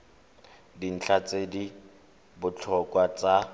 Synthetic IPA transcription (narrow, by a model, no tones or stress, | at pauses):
din̩t͡ɬʰat͡sedi | bʊt͡ɬʰɔkwat͡sʼa